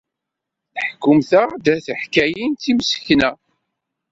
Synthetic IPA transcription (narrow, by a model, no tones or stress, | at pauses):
θəħkːʊmθæd̪æθəħkæjint̪imsə̥çnæ